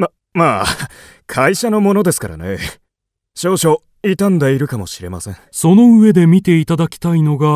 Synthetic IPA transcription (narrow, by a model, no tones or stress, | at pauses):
ma | maːkʰaiɕano̞mo̞no̞d̪e̞sɨ̥kaɾa̰ne̞̰ | ɕo̞ːɕo̞ | it̪ãnd̪aiɾɯ̟kamo̞ɕiɾe̞̰ma̰sẽ̞ŋso̞no̞ɯ̟e̞d̪e̞mʲit̪e̞it̪ad̪akʲi̥t̪aino̞ɡa